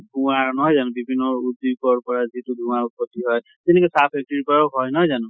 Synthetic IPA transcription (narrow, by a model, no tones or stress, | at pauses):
ɡũaɹnɔɦɔjzanũbibʱinːɔɹudikɔɹpɔɹazituɡũaɹpɔtiɦɔj | tɛnɛkɔsap̚ʰɛk̚tɔɹipɔɹaʊɦɔjnɔɦɔjzanũ